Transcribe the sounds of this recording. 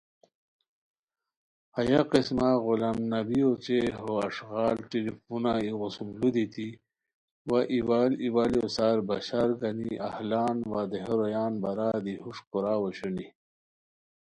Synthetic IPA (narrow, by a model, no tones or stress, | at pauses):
ɐjaqismaɣulamnɐbijot͡ɕeɦoɐʂɣaːlʈelifunaiɣusumlud̪it̪i | waʔiwaːliwaːliosaːɾbɐɕaːɾɡɐniʔa̰hlaːnwad̪eɦeɾojaːnbɐɾaːd̪ihuʂkoɾaːwoɕuni